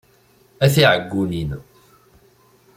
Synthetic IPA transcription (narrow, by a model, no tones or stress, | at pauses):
æθiʕəɡːunin